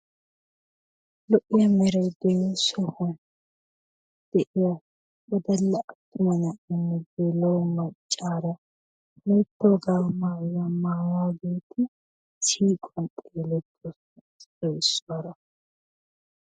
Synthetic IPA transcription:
lɔʔɪjɐmɛɾɐjd̪ɛjsɔhɔn | d̪̥ɛʔɪjɐ | wɔd̪ɐlːɐʔɐt̪ːʊmɐnɐʔɪnːɪɡelɐwmɐt͡ʃʼːaːɾɐ | met̪ːoːɡaːmaːjɐmaːwaːɡeːt̪ʰɪ | siːkʼɔntʼeːlɛt̪ːɔ | ɔɪsːaɾɐ

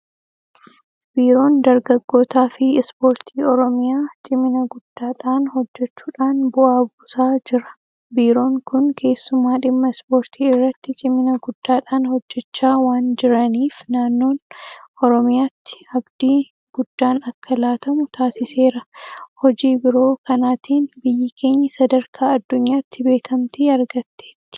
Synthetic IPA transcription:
b̥iːɾo̞ːnd̪ɐɾɡɐɡːo̞ːt̪aːfɪɪspo̞ːɾt̪ʰiːɔɾɔmɪjaːt͡ʃʼɪmɪnɐɡʊd̪̥ːaːᶑaːnhɔd͡ʒːɛt͡ʃːuːᶑaːnbʊʔaːbuːsaːd͡ʒɪɾɐ̥ | biːɾo̞ːŋkʊnkʰe̞ːsːʊmaːᶑɪmːɐɪspo̞ːɾt̪ʰiːɪrːɐt̪ːɪt͡ʃʼɪmːɪnɐɡʊd̪̥ːaːᶑaːnhɔd͡ʒːɛt͡ʃːaːwaːnd͡ʒɪɾɐniːfnaːnːo̞ːnʔɔɾɔmɪjaːt̪ːɪ̥ɐbd̪iː | ɡ̥ʊd̪ːaːnɐkːɐlaːt̪ɐmʊt̪aːsɪse̞ːɾɐhɔd͡ʒiːbɪɾo̞ːkɐnaːt̪iːnbɪjːɪke̞ːɲːɐsɐd̪ɐɾkʰaːɐd̪ːʊɲːaːt̪ːɪbe̞ːkʰɐmt̪iɐɾɡɐt̪ːe̞ːt̪ːɪ̥

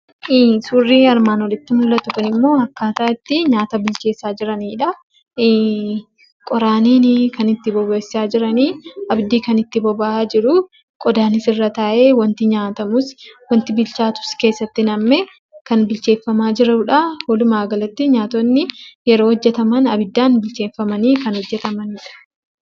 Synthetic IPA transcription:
suːrːiːɐɾmaːnɔlɪt̪ːɪmʊlːɐt̪ʊkɐnɪmːo̞ːɐkːaːt̪aːɪt̪ːɪɲaːt̪ɐbɪlt͡ʃe̞ːsːaːd͡ʒɪɾɐniːᶑɐ | kʼɔɾaːniːnɪkɐnɪt̪ːɪbɔbesːaːd͡ʒɪɾɐniːʔɐbd̪iːkɐnɪt̪ːɪbɔbaaːd͡ʒɪɾʊ | kʼɔd̪aːnɪsɪrːɐt̪aːʔeːwɐnt̪ɪɲaːt̪ɐmʊswɐnt̪ɪbɪlt͡ʃaːt̪ʊ̥ske̞ːsːɐt̪ːɪnɐmːe | kɐnbɪlt͡ʃe̞ːfːɐmaːd͡ʒɪɾɐᶑahoːlʊmaːɡɐlɐt̪ːɪɲaːt̪ɔnːɪjɛɾo̞ːɔd͡ʒːɛt̪ɐmɐnɐbɪd̪ːaːnbɪlt͡ʃe̞ːfːɐmɐniːkɐnhɔd͡ʒːɛt̪ɐmɐniːᶑɐ̥

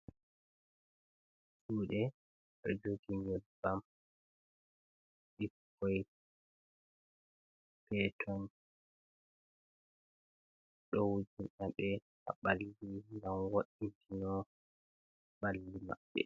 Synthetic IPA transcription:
suːɗɛ | ɗɔ̰d͡ʒoɡiɲɔbam | ɗikː | ɔj | pɛtʰɔn | ɗɔwd͡ʒinʔaɓɛ | ʔa̰ɓalːiŋɡamwoɗːintʰinɔ | ɓalːima̰ɓːɛ̰

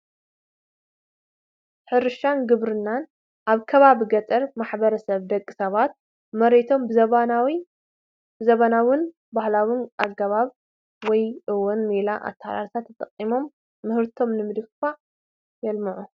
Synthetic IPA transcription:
ħɨɾɨʃanɡɨβɾɨnːan | ʔaβkʰɐβaβiɡɐt͡s̪ʼɐɾmaħbɐɾɐsɐβd̪ɐkʼːi̥sɐβat̪̚ | mɐɾet̪ʰo̞mb | bɨzɐβanawɨn | bahlawɪnʔaɡɐβaβ | wɔjʔɨwonmelaʔa̰t̪ʰːɐħa̰la̰lsʰat̪ʰːɐt̪ʼɐqʼːimo̞mː | ɨhɨɾt̪ʰo̞mnɨmɨd̪ɨffa | jɛlmɨʕu

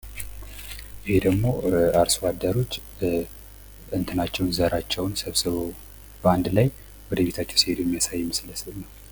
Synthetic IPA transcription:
jɪhed̪əɡmo̞aɾswad̪əɾo̞t͡ʃː | ɨnt̪ʰɨnat͡ʃːɛwnzəɾat͡ʃːɛwnsəβsɨβo | bəand̪laj | wɔd̪əβe̞t̪ʰat͡ʃːɛwsihed̪ojmːijasajːɛməsləslnəw

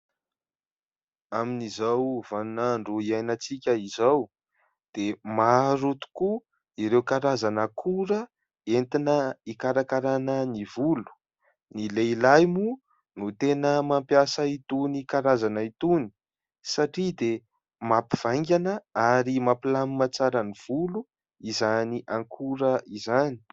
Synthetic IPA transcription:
aminizawvanunaɳɖ͡ʐuiajnat͡sikʲəizaw | d̪̥emaɾut̪u̥ku | iɾewkaɾazanəkʰuɾə | ent̪inəikaɾakaɾanənivulu̥ | nileilajmu | nut̪enəmampjasəit̪unikaɾazanəit̪uni̥ | saʈ͡ʂid̪e | mapiv̥ajŋɡʲanəaɾimapilamimat͡saɾəniv̥ulu | izaniʔaŋkʰuɾəizani̥

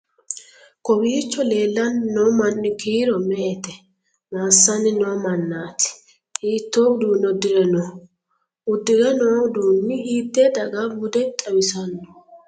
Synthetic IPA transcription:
kɔbiːt͡ʃːɔleːlːɐnnɔmɐnːɪkiːɾɔmɛʔɛt̪ɛ | maːsːɐnɪnɔmɐnːaːt̪ɪ̥ | ʔiːt̪ːoːɡd̪uːnːɔd̪ɪɾɛnɔ | ʊd̪ːɪɾɛnɔːd̪uːnːɪiːd̪ːed̪ɐɡɐmʊd̪ɛt̪ʼɐwɪsɐnːɔ̥

